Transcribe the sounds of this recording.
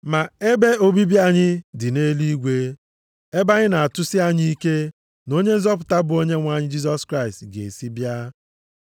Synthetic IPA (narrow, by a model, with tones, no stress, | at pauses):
ma˨e˦be˦o˦bi˦bja˦ɲɪ˦dɪ˨ne˦li˦ɡʷe˦ | e˦ba˦ɲɪ˦na˨a˨tʊ˦si˦a˦ɲi˦i˦ke˦ | no˦ɲe˦n̩˦zɔ˦p̬ʊ˨ta˦bʊ˨o˦ɲe˦ŋʷa˨ɲɪ˦d͡ʒi˦s̬ɔ˦skɾa˦˨stɡḛ˨si˦bja˦